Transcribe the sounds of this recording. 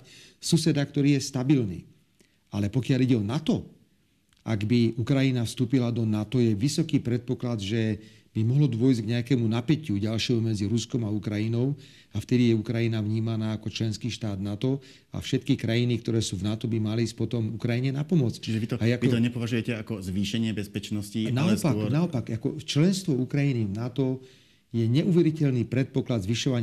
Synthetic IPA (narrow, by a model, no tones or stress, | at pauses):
susɛd̪akt̪ɔɾiːjɛst̪abilnḭː | alɛpɔkɪaliɟɛɔnat̪ɔ | aɡbiukɾajinafst̪uːpilad̪ɔnat̪ɔjɛʋisɔkiːpɾɛt̪̚pɔklad̪ʒɛ | b̥imɔɦlɔd̪ʊɔjzɡɲɛakɛmunapɛcuɟalʃɪɛɦumɛd͡ziɾuskɔmaukɾajinɔʊ | aft̪ɛd̪ijɛukɾajinavɲiːmanaːkɔt͡ʃlɛnskiːʃt̪aːd̪nat̪ɔ | a̰fʃɛt̪kikɾajinikt̪ɔɾɛːsuːvnat̪ɔbimaliːspɔt̪ɔmukɾajiɲɛnapɔmɔt͡st͡ʃiʒɛʋit̪ɔaait̪ɔɲɛpɔʋaʒujɛcɛakɔzʋiːʃɛɲɪɛbɛspɛt͡ʃnɔscinaɔpaknaɔpaɡakɔ̰t͡ʃlɛnst̪ʋɔukɾajinivnat̪ɔ | jɛɲɛʔuʋɛɾicɛʎniːpɾɛt̪̚pɔklad̪zʋiʃɔʋaɲ